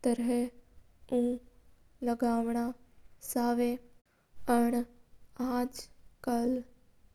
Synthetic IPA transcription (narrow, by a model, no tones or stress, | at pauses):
t̪əɾɦɛ | ũː | ləɡaːʋɳ̃aːsaːʋe | əɳ̃aːd͡ʒkəl